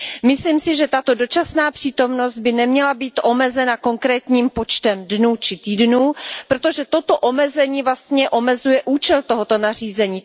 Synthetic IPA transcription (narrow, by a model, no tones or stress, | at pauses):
mɪsliːmsɪʒɛt̪at̪o̞do̞t͡ʃasnaːpr̥iːt̪o̞mno̞zt̪̚bɪnɛmɲɛlabiːt̪ʔo̞mɛzɛnako̞ŋkɾɛːt̪ɲiːmpo̞t͡ʃt̪ɛmdnuːt͡ʃɪt̪iːdnuːpɾo̞t̪oʒɛt̪o̞t̪o̞ʔomɛzɛɲiːvlast̪ɲɛʔo̞mɛzujɛʔuːt͡ʃɛlt̪oɦot̪o̞nar̝iːzɛɲiː